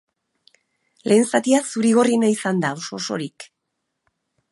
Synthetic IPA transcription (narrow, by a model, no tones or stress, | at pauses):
le̞ːnsat̪iasuɾiɣo̞rinaisand̪ao̞so̞so̞̰ɾik